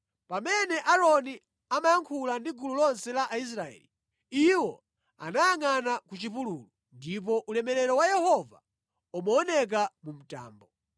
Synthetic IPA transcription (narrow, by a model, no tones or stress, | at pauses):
pamɛnɛʔaɾɔni | amajaŋkʰulandiɡululɔnsɛlaʔais̬ɾaɛ̰ːli | iwɔ | a̰najaŋanakut͡ʃipuluːlu | ndip̬ɔʔulɛmɛɾɛɾɔwajɛhɔva | umaːnɛk̬amum̩ta̰ːmbɔ